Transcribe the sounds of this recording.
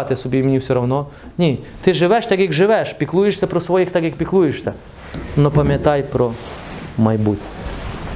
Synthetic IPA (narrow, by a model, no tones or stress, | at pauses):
t̪ʲesʊbʲiːmʲnʲisʲʊɾɐʊno | nʲiːt̪ɪʒɪʋʲɛʃt̪ʲɛɡʲikʒɪʋʲɛʃpʲiklˠuːjɪʃʲsʲɛpɾosʋoːjixt̪ʲɛɡʲik̚pʲiklˠuːjɪʃsʲɛ | nopɐmʲɛt̪ɑjpɾo | mɐjbut̪ʲɛ̥